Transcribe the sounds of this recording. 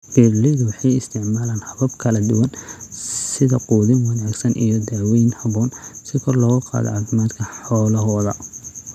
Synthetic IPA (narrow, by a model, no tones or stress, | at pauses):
b̥irlɪðʊwɑħɑjɪst̪ʰɪʕmaːlaːnhɐβɐbkʰɐlɐd̪ʊwɐn | sɪðɐquːðɪŋwɐnaːɡsɐnʔḭjɔd̪ɐɾwɛjnhɐβɔːnsɪkʰɔrlɔːɣɐqɑ̰ːðɔ̰ʕɑːθɪmaːd̪kʰɐħɔːlɐɦɔːðɐ